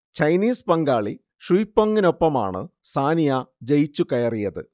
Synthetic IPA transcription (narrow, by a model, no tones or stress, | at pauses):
t͡ɕɐjniːspɐŋɡaːɭi | ʂujpːoŋːino̞pːɐma̰ːɳɨ̰ | saːnijad͡ʑejt͡ɕːukɐjɐrijɐðɨ̰